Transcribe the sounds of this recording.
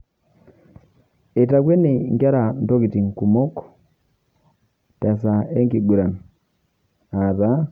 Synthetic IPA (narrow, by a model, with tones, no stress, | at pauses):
e˨ta˨kwe˦ni˨ŋɡa˦ɾa˨n˨to˦ki˨ti˨ŋku˨mo˦ko̥ | ta˨sa˨e˦ŋki˨ɡu˨ɾa˨n | a˨βa˦